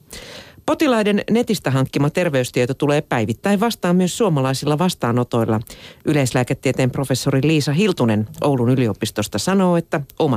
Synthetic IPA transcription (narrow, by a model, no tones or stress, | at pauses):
po̞t̪ilɑjde̞nne̞t̪ist̪æɦɑŋkːimɑt̪e̞rʋe̞yst̪iet̪ot̪ule̞ːpæjʋit̪ːæiʋʋɑst̪ɑːmmyøsːuomɑlɑisilːɑʋɑst̪ɑːno̞t̪o̞jlːɑʔyle̞islæːket̪ːiet̪e̞ːmpro̞fe̞sːoɾiliːsɑɦilt̪une̞nʔo̞wlunylio̞pist̪o̞st̪ɑsɑno̞ːe̞t̪ːæo̞mɑ